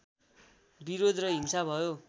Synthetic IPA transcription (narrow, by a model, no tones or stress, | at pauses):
biɾod̪ʱrʌɦimsabʱʌjo